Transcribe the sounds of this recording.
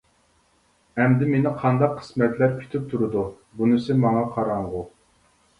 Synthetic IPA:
ɛmd̪ɪmenɪqʰɑnd̪ɑqʰːə̥smɛt̪læɾkʲʰy̥t̪ʰyp̚t̪ʰuɾɨd̪u | bunɪsɪmɑŋɑqʰɑɾɑɴʁʊ

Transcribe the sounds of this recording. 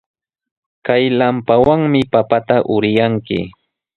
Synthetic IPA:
kajlampawaŋmɪpapat̪aʔʊɾɪjaŋkɪ̰

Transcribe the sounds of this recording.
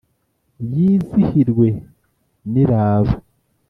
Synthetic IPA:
jiːzihiɾɡwe̞ | niɾaːβa

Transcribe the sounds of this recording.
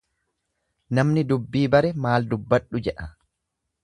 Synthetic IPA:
nɐmnɪd̪ʊbːiːbɐɾɛmaːld̪ʊbːɐᶑːʊd͡ʒɛʔɐ

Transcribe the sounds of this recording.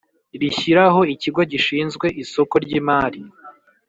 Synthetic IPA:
ɾiçiɾaɦo̞iciɡo̞ɟiʃiːnzɡwe̞ʔiso̞koɾɟiːmaːɾi

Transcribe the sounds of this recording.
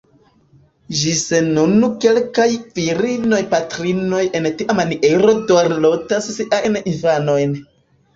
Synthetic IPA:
ʒisenːunuke̞lkajviɾino̞jpatɾino̞jʔe̞ntiʔamaniʔeɾo̞doɾlo̞tasːiʔajninfano̞jn

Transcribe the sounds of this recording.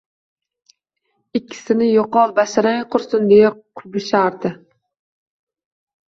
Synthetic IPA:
ɪkʲʰːɪ̥sɪnɪjoqɑlˠbaʃɾaŋqʰʊɾsʊnd̪ejaqʰʊɾbɪʃaɾd̪ɪ

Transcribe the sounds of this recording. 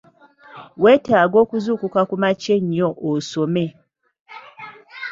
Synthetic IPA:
wetaːɡokuzukukakumat͡ʃeɲːoʔosome

